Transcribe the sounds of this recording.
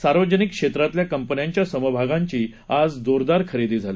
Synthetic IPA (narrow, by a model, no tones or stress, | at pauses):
saɾʋəd͡ʑənikkʂet̪ɾat̪ljakəmpənjaɲt͡ɕjasəməbʱaɡãɲt͡ɕiː | ad͡zd̪oɾd̪aɾkʰəɾid̪iːd͡zʱali